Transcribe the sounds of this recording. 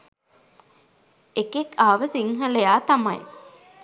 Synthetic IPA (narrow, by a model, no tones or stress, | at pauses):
ekekaːʋəsiŋɦəlejaːt̪ɐmɐ̰j̰